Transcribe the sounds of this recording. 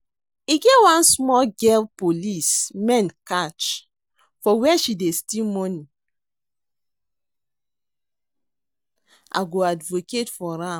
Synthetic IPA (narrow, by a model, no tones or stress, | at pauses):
iɡɛwãnsmɔlɡɛlpolismɛ̃nkat͡ʃ | fɔwɛʃidestilmɔnĩ | a̰ɡoadvoketfɔɾã